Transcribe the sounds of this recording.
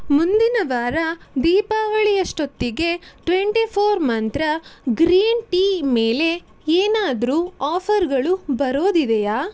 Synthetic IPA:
mund̪inɐʋaːɾɐd̪iːpaːʋɐɭijɐʂʈot̪ːiɡe̞ʈʋeɳʈipʰoːɾmɐnt̪ɾɐɡɾiːnʈiːmeːle̞ | eːnaːd̪ɐɾuaːpʰɐɾɡɐɭubɐɾo̞ːd̪id̪ejaː

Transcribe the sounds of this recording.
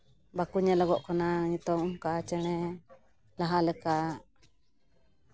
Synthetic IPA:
bakuɲalɔɡɔʔkɔnaɲut̪ɔŋumkat͡ʃɛɽ̃ɛ | laɦalɛka

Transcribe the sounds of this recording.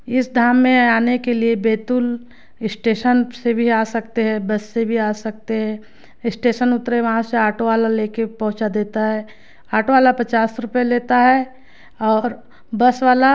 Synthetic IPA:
ɪsd̪ʱaːmːẽaːnekeliebeːt̪ʊl | ɪsʈeːʃənsebʱiaːsɐkt̪eɦɛ̃bɐsːebʱiaːsɐk̚t̪eɦɛ̃ | ɪsʈeːʃənʊt̪ɾeʋɐɦãseaːʈʰoʋaːlaleːkepɐɦʊ̃t͡ʃad̪eːt̪aɦɛː | aːʈʰoʋaːlapɐt͡ʃaːsɾʊpeleːt̪aɦɛ | ɔːɾ | bɐsʋaːla

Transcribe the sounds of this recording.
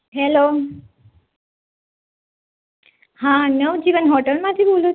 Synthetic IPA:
ɦelo | hãnəʋd͡ʒiːʋənɦoʈəlmãt̪ʰibolu

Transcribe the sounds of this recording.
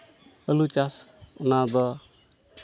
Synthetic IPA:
əlut͡ʃasunad̪ɔ

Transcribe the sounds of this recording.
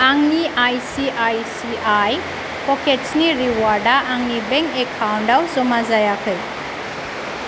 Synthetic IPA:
aŋniʔajsiʔajsiaj | pɔkʰetsniɾiwaɾdaʔːŋnibeŋkekʰːawndawzɔmazajakʰɯj

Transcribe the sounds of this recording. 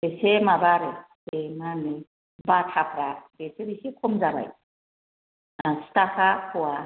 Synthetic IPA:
besemabaɾe | emane | batʰapʰɾabesebisikʰɔmzaɾa̰j | astakʰahɔwa

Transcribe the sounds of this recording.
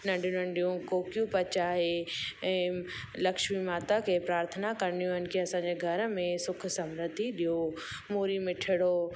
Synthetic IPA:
nɐ̃ɳɖjũnɐɳɖijũkoːkijũpɐt͡ɕaɦeɛ̃ː | lɐkʃmimaːt̪akʰepɾaːɾt̪ʰənakɐɾnijũɦənkʰeɐsãːɲd͡ʑeɡʱɐɾmẽsʊkʰsɐmɾəd̪ʱiɗijo | moːɾimɪʈʰɪɽo

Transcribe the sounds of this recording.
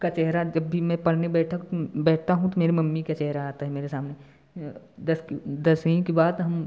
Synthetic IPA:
kat͡ʃɛɦɾad͡ʒɐbʱːimɛ̃pɐɽnebɛːʈʰak̪bɛːʈʰt̪aɦũt̪omeːɾemɐmːikat͡ʃɛɦɾaaːt̪aɦɛmeːɾesaːmne | d̪ɐsd̪ɐsĩkebaːd̪ɦɐm

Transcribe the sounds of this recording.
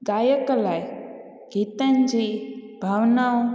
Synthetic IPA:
ɡaːjəklaj | ɡ̥ʱit̪ənd͡ʑiːbʱaʋnao

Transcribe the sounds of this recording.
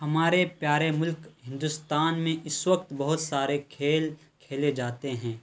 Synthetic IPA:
ɦɐmaːɾepjaːɾemʊlkɦɪ̃nd̪ʊst̪aːnmẽʔɪswək̚t̪bɐɦʊt̪saːɾekʰeːl | kʰeːled͡ʒaːt̪eɦɛ̃ː

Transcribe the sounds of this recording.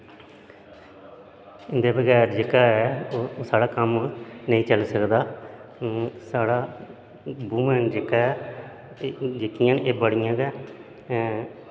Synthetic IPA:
ɪnd̪eːbəɡɛːɾd͡ʒɪkaːɛːsaːɽaːkəmnəĩːt͡ʃəlsəkd̪aː | saːɽaː | buːmɛːnd͡ʒekaː | d͡ʒɪkːɪjãːnʔeːbəɽɪjãːɡɛː

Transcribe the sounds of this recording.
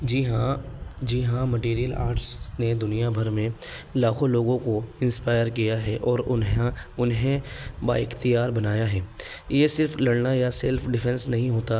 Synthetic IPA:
d͡ʒiɦãd͡ʒiɦãmɐʈiːɾijəla̰ːɾʈsned̪ʊnijabʱɐɾmẽ | laːkʰõloːɡõkoɪ̃nspaːjəɾkijaɦɛʔɔːɾʊnɦãʊnɦẽba̰ɪxt̪ijaːɾbɐnaːjaɦɛː | jesɪɾflɐɽnajasɛlfɖɪfʰɛ̃nsnɐɦĩɦoːt̪a

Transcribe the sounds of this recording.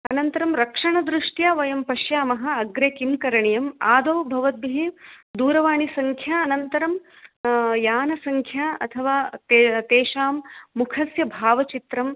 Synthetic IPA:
ɐnɐnt̪ɐɾɐmɾɐkʂɐɳɐd̪ɾɪʂʈjaːʋɐjɐmpɐʃjaːmɐɦɐ̆ɐɡɾekimkɐɾɐɳijɐmaːd̪ɐːbʱɐʋɐt̪̚biɦeːd̪uːɾɐʋaːɳisɐŋkʰjaɐnɐnt̪ɐɾɐm | jaːnɐsɐŋkʰjaːɐ̰t̪ʰɐʋaːt̪et̪eːʃaːmːukʰɐsjɐbʱaːʋɐt͡ʃit̪ɾɐm

